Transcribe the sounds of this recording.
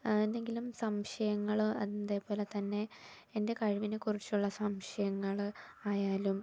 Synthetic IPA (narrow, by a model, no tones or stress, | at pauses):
end̪e̞ŋɡilumsɐmʂɐjɐŋːɐɭɐ̰ðinːɐðeːpoːle̞t̪ɐnːe̞ː | nde̞kɐɻiʋinekurit͡ɕːuɭːɐsɐmʂɐjɐŋːɐɭaːjaːlum